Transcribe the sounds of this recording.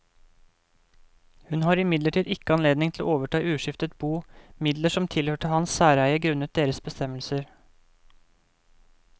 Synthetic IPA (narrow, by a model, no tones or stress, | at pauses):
hʉnhɑːɾɪmɪd̪ləʈʰiːd̪ɪkːəɑnleːd̪nɪŋt̪ʰlo̰ːoːʋəʈʰɑːʉːʂɪft̪ət̪̚buːmɪd̪ləʂɔmt̪ʰɪlhøːʈəhɑnsːæːɾæɪəɡɾʉnət̪̚d̪eːɾəsbəst̪ɛməlsəɾ